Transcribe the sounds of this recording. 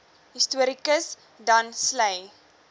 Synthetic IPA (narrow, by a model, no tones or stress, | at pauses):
ɦistuəɾikəs | dɐnsləj